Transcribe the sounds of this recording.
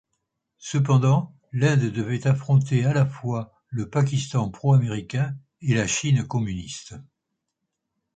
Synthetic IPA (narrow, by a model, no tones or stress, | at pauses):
səp̬ɑ̃d̪ɑ̃ | lɛ̃d̪d̪əvɛt̪afχɔ̃t̪ealafwa | ləpak̬ʲist̪ɑ̃pχɔameʁikʲɛ̃ | elaʃinkɔmynist̪